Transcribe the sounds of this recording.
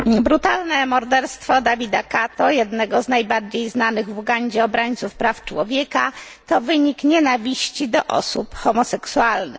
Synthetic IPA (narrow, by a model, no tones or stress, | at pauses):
bɾut̪alnɛmɔɾd̪ɛɾst̪fɔd̪avʲid̪akat̪ɔjɛd̪nɛɡɔznajbaɾd͡ʑejznanɘɣvuɡaɲd͡ʑɛɔbɾaɲt̪sufpɾaft͡ʂwɔvʲjɛka | t̪ɔvɘɲikɲɛnavʲiɕt͡ɕid̪ɔʔɔ̰supxɔmɔsɛksualnɘ̰x